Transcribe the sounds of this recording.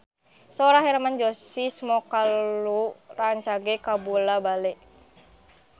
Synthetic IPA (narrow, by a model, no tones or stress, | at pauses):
soɾaɦɛɾamand͡ʒɔsismɔkaluraɲt͡ʃaɡɛkabulabalɛ